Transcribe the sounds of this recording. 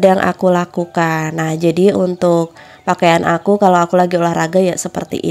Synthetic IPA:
dajaŋʔa̰kulakukanːahd͡ʒadiunt̪ʊk̚ | pakajanʔakukalowakulaɡiolahraɡajasəpə̰rt̪ḭʔḭ

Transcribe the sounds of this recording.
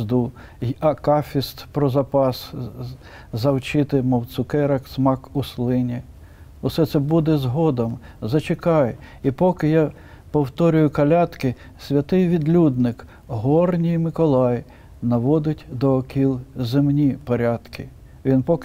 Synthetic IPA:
d̪u | ɐkɑfʲist̪pɾɔzɐpɑs | zɐwt͡ʃɪt̪ɪmɔwt̪sʊkɛɾɐksmɑkuslˠɪnʲi | ʊsɛt̪sɛbud̪ɛzɦɔd̪ɐmzɐt͡ʃɪkɑjɛipɔkɪja | pɔwt̪ɔɾʲʊjʊkɐlʲɑt̪kɪ | sʲʋʲɐt̪ɪjʋʲid̪lʲud̪nɪk | ɦɔrnʲijmɪkɔlˠɑj | nɐʋɔd̪ɪtʲd̪ɔːkʲʰilˠzɪmnʲipɔɾʲɑt̪kɪ | ʋʲinpɔk

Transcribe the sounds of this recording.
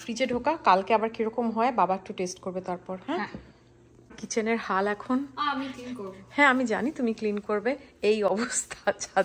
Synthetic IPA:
fɾid͡ʑeɖʱokakalkeabaɾkiɾɔkomɦɔebabaek̚ʈuʈesʈkoɾbet̪aɾpɔɾhɛ̃ | kit͡ɕʰeneɾhalɛkʰonmiikoɾhɛ̃amid͡ʑa̰nit̪umiklinkoɾbeejɔbost̪ʰat͡ɕa

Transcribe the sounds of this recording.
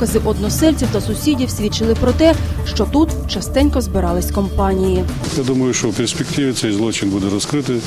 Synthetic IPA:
kɐzɪʔɔd̪nɔsɛlʲt͡sʲiwt̪ɐsʊsʲidʲiwsʲʋʲit͡ʃɪlˠɪpɾɔt̪ɛʃt͡ʃɔt̪ut̪t͡ʃɐst̪ɛnʲkɔzbɪɾɑlˠɪsʲkɔmpɑnʲiji | jad̪umɐjʊʃt͡ʃɔwpʲersʲpʲekt̪ɪʋʲɪt̪sɛjzlˠɔt͡ʃɪnbud̪ɛɾɔskɾɪt̪ɪ

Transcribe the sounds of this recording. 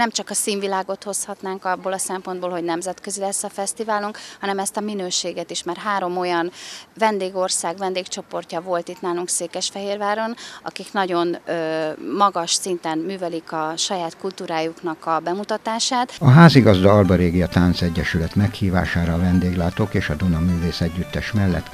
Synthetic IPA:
nɛmt͡ʃɒkɒsiːnvilaːɡo̞t̪ho̞shɒt̪naːŋkɒbːoːlɒsɛmpo̞nd̪boːlho̞ɟnɛmzɛt̪kø̞zilɛsːɒfɛst̪ivaːluŋkhɒnɛmɛst̪ɒminøːʃeːɡɛt̪iʃmarɦaːɾo̞mo̞jɒnvɛnd̪eːɡo̞rsaːɡʋɛnd̪eːkt͡ʃo̞po̞rcɒvo̞lt̪it̪naːluŋkseːkɛʃfɛɦeːrvaːɾo̞nɒ̰kiknɒɟo̞nømɒɡɒʃsint̪ɛnmyːvɛlikɒʃɒjaːt̪kult̪uːɾaːjuknɒkɒbɛmut̪ɒt̪aːʃaːt̪ɒɦaːziɡɒzd̪ɒɒlbɒɾeːɡiɒt̪aːnt̪sɛɟːɛʃylɛt̪mɛkhiːva̰ːʃaːɾɒːvɛnd̪eːɡlaːt̪oːkeːʃɒd̪unɒmyːveːsɛɟːyt̪ːɛʃmɛlːɛ̰t̪

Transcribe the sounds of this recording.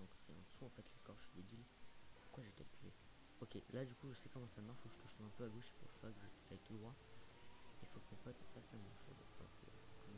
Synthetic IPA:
d̪ɔ̃kḭɛ̃d̪əsuɑ̃fɛt̪ləskɔʁʒəʃɥid̪ed̪ilpuʁkwaʒekalkʰʲyʁḛ | ɔkʲelad̪ykuʒəsɛkɔmɑ̃samaʁʃuʒə̥k̪ə̥t̪ɔ̃nɛ̃pøaɡoʃe̥puʁfpakəʒət̪kaɛt̪ʰud̪ʁwa | ilfokəmepɔt̪fast̪ɛmɔ̃fo̰d̪̰ɔ̰kəəkʰm

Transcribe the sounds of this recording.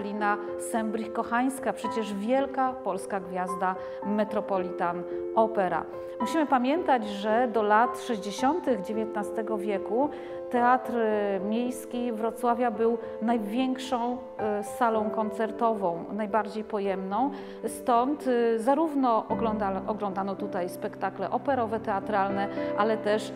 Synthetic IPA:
lʲina | sɛmbɾixkɔxaj̃skapʂɛt͡ɕɛʐvʲjɛlkapɔlskaɡvʲjazd̪a | mɛt̪ɾɔpɔlʲit̪anɔpɛɾa̰ | muɕimɘpamʲjɛnt̪ad͡ʑʐɛd̪ɔlat̪ʂɛʑd͡ʑeɕɔnt̪ɘɣd͡ʑevʲjɛt̪nast̪ɛɡɔvʲjɛku | t̪ɛat̪ɾmʲjejskʲivɾɔt̪swavʲjabɘw | najvʲjɛŋkʂɔ̃w̃ | salɔ̃w̃kɔnt̪sɛɾt̪ɔvɔ̃w̃najbaɾd͡ʑejpɔjɛmnɔ̃w̃ | st̪ɔnt̪zaɾuvnɔʔɔɡlɔd̪aʔɔɡlɔnd̪anɔt̪ut̪ajspɛkt̪aklɛʔɔpɛɾɔvɛt̪ɛat̪ɾalnɛʔalɛt̪ɛʂ

